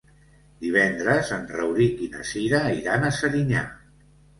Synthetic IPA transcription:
d̪iβ̞ɛnd̪ɾəzənrəwɾikinə̰siɾəiɾanəsəɾiɲa̰

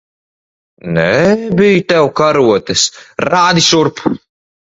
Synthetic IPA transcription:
nɛbijt̪ɛwkaɾuɔt̪ɛsɾaːd̪iʃuɾp

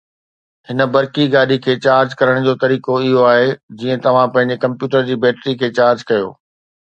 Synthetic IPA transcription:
hɪnə̆bɐɾkiɡaːɗikʰeːt͡ɕaːɾd͡ʑkɐɾəɽ̃d͡ʑoːt̪ɐɾiːkoɪɦoaːɦed͡ʑiːə̃t̪ɐʋ̤ãpɐ̃ɦɪ̃ɲ̆d͡ʑekɐ̃mpjuːʈəɾd͡ʑiːbɛːʈɾikʰeːt͡ɕaːɾd͡ʑkɐjo̰ː

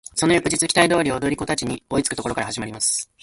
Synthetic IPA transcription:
so̞no̞jokɯ̟ʑit͡sɨkʲt̪aid̪o̞ːɾʲio̞d̪o̞ɾʲiko̞t̪at͡ɕiɲ̟io̞it͡sɨ̥kɯ̟t̪kookaɾahaʑimaɾimasɨ̥

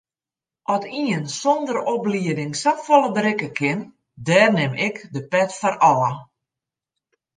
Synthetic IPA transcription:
ʔɔtiənsondərobliədɪŋsapfɔlˠəbəɾɪkəkʰɪn | dɛːrnɪmɪkdəpɛtfɔrɔə

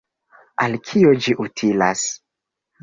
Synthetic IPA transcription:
alkʰiod͡ʒiʔutʰilas

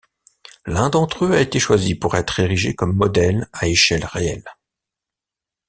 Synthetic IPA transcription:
lɛ̃d̪ɑ̃t̪χøaet̪eʃwazipuʁɛt̪χeʁiʒekɔmːɔd̪ɛlaeʃɛlʁeɛl

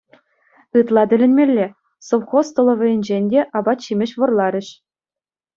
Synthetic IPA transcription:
ɯt̪lˠɑdʲɘ̆lʲɘ̆nʲmʲelʲːe | soʋχost̪ŏlˠɤ̆ʋʲɘ̆jɘ̆nʲd͡ʑenʲdʲeʔɑbɑt̪ɕimʲɘ̆ɕʋɤ̆rlˠɑɾʲɘ̆ɕ

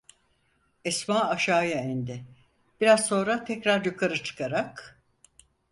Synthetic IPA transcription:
ɛsmaːaʃaːjaɛnd̪ɪ | b̥iɾazso̞nɾat̪ʰɛcɾaɾjukʰaɾɯt͡ʃʰɯ̥kʰaɾak

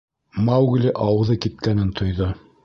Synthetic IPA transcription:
mawɡlʲiʔɑwɤ̆ðɤkit̪̚kænɘnt̪ʰŏjðo

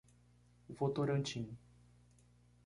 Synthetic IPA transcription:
vot̪oɾənt͡ʃin

